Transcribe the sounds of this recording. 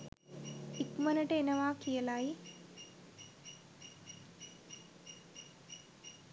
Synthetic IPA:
ikmɐnɐʈeːnɐʋaːkijɐlaːi

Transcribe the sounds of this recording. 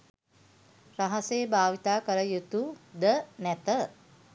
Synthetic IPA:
raɦɐseːbaːʋit̪aːkəɾəjut̪ud̪ənæt̪ə

